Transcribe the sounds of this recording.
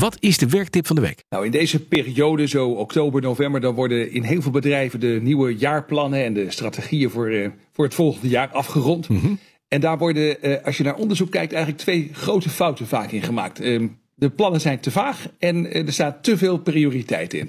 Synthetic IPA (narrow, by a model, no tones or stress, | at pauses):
ʋɑtɪzdəʋɛɹk̚tɪpfɑndəʋḛjknawɪndejzəpɪːriowdəzowɔktowbəɹnowvɛmbəɹdɑnʋɔɹdənɪnɦɪːlˠvɪːlˠbədrɛjvəndəniwəjaːɹplɑnənɛndəstraːteχijəvʊːɹ | vʊːɹɦətfɔlˠχəndəjaːɹɑfχərɔnt | ɛndaːɹʋɔɹdəɑsjənaːɹʔɔndəɹzukːɛjk̚tɛjχələk̚tʋejχrowtəfɑwtənvaːkɪnχəma̰ːk̚t | dəplɑnənzɛjntəvaːχɛndəɹstaːtəveːlˠprioːritɛ̰jtɪ̰n